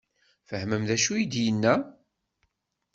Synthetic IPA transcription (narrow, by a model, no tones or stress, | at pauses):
fəhməmðæʃujid̪jənːæ